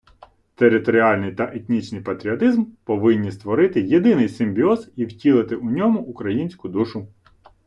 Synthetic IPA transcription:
t̪eɾɪt̪ɔɾʲiɑlʲnɪjt̪ɐʔet̪ʲnʲit͡ʃnɪjpɐt̪ɾʲiɔt̪ɪzmpɔʋɪnʲːist̪ʋɔɾɪt̪ɪjed̪ɪnɪjsɪmʲbʲiɔziwtʲilˠɪt̪ɪʔʊnʲɔmʊʔːkɾɐjinʲsʲkʊd̪uʃʊ

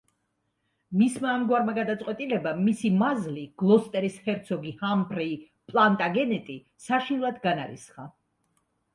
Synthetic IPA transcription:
mismaːmɡwaɾmaɡad̪at̪sʼqʼwɛt̪ʼilɛbamisimazliɡ̥lˠɔst̪ʼɛɾishɛɾt̪sʰɔɡihambɾɛː | pʼlˠant̪ʼaɡɛnɛt̪ʼi | saʃinlˠad̪ɡanaɾḭsχa̰

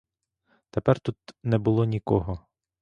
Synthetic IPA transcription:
t̪epɛrt̪ut̪nɛbʊlˠɔnʲikɔɦɔ

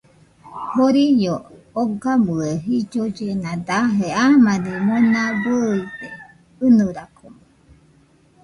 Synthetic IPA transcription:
hoɾijo | oɡamɯeɦid͡ʒod͡ʒenãd̪aɦeamanimonãbəid̪e | ɨnɨɾakʰomo

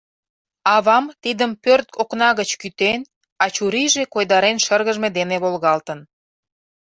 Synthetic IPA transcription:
ɑβɑmt̪id̪əmpørt̪̚kʰoknɑɣət͡ɕkyt̪en | ɑt͡ɕuɾiʒekojd̪ɑɾenʃərɣəʒmed̪eneβolɣɑlt̪ən

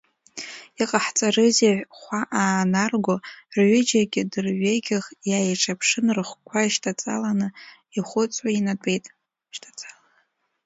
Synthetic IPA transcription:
iqʼaħt͡sʼarɨzeʕʷᶣχʷaʔaːnarɡʷorʕʏd͡ʒaɡʲɪdɨrɥʷeɡʲɪʁjajʈ͡ʂʰapʰʂɨnrɨχʷkʷʰaiʃtʰʼat͡sʼa̰lanɨ | iχʷʊt͡sʼainatʷʼejtʼ | ʃtʰʼat͡sʼḁla

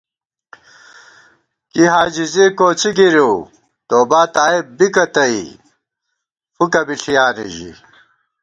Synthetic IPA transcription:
kiɦaːd͡ʑizikoːt͡siɡiɾju | t̪oːbaːt̪aːib̚bikɐt̪ɐi | fukɐbiɬʰijaːnḭʑḭ

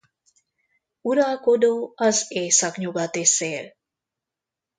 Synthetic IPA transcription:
uɾakodowazesakɲuɡat̪eseɾ

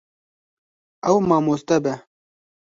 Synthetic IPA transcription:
ɛwmaːmoːst̪ɛbɛ

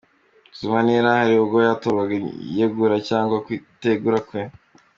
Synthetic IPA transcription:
z̥umaniɾahaɾiuɡojatoβaɡajeɡuɾacaːŋɡwakwiteɡuɾakwe

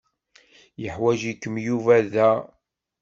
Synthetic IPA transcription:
jəħwæʒikːəmjuvæðæ

